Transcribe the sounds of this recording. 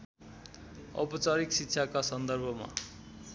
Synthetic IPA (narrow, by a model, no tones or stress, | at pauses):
ʌ̰pʌt͡saɾiksitːɕʰakasʌnd̪ʌrbʱʌma̰